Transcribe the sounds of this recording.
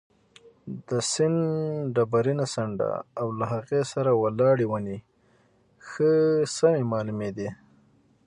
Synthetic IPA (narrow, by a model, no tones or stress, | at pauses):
d̪əsɪnɖabaɾinasaɳɖa̰awlaɦaɣesaɾawalɑɽiwani | xəsamemɑlumed̪i